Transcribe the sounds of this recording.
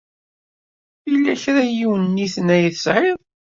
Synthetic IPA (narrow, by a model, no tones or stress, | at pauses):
ilːæçɾæjiwənnːiθənæjθəsʕɪðˤ